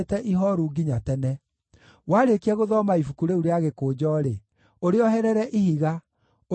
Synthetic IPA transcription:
tɛʔiɦɔɾuɡiɲatɛnɛ | waːɾekiɛɣoðɔmaifukuɾeuɾeaɣekoːd͡ʑɔːɾe | oɾeɔɦɛɾɛɾɛʔihiɣa

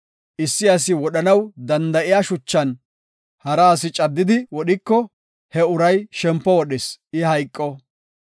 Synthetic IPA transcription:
ʔɪsːɪɐs̬ɪwɔɗɐnɐwd̪ɐnd̪ɐʔɪjaʃʊt͡ʃːɐn | hɐɾaːsɪt͡ʃʼɐd̪ːɪd̪ɪwɔɗɪkːɔ | hɛʊɾɐjʃɛmpːɔwɔɗɛsʔɪhɐjkʼːɔ

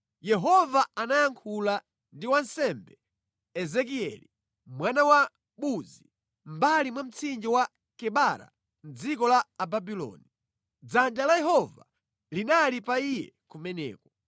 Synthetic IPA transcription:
jɛɦɔvaanajaŋkʰula | ndiwansɛmbɛ | ɛzɛkiɛli | mwanawa | ɓuzi | m̩balimwam̩t͡sʰind͡ʒiwa | kɛɓaɾa̰ | n̩d͡zikɔlaːbabilɔ̰ːni | d͡zand͡ʒalajɛɦɔva̰ | linalipaijɛ̰kumɛnɛ̰ːkɔ

